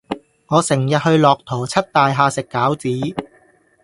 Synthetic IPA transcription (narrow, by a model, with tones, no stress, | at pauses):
ŋɔː˨˧sɪ˨˩ŋjɐ˨t̚hɵ˧ɥlɔː˨k̚t̪ʰɔː˨˩t͡sʰɐ˥t̚t̪aː˨jɦaː˧sɪ˨kːaː˨˥wt͡siː˨˥